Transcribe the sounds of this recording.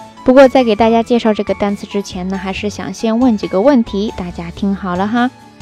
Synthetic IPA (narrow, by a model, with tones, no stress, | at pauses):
pu˧˥kwɔ˥˧t͡sa˥˩ɪke˨˩ɪt̪a˥˧t͡ɕja˥t͡ɕjɛ˥˧ʂɑ˥˧ʊʈ͡ʂɤ˥˩ɡə˩t̪a˥nt͡sʰɹ̩˥˩ʈ͡ʂɻ̩˥t͡ɕʰjɛ˧˥nnə˧xa˧˥ɪʂɻ̩˥˩ɕjɑ̰˨˩ŋɕjɛ˥˧nwə˥˩nt͡ɕi˨˩ɡə˦wə˥˩nt̪ʰi˧˥t̪a˥˩t͡ɕja˥t̪ʰi˥ŋxɑ˨˩ʊlə˦xa˥